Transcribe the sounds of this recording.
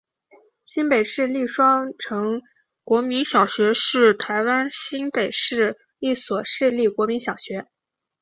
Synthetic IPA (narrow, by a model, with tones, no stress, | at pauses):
ɕi˥npe˨˩ɪʂɻ̩˥˧li˥˩ʂwɑ˥ŋʈ͡ʂʰɤ˧˥ŋ | kwɔ˧˥mi˧˥nɕjɑ˨˩ʊɕɥɛ˧˥ʂɻ̩˥˩t̪ʰa˧˥ɪwa˥nɕi˥npe˨˩ɪʂɻ̩˥˧ | li˥˩swɔ˨˩ʂɻ̩˥˧li˥˩kwɔ˧˥mi˧˥nɕjɑ˨˩ʊɕɥɛ˧˥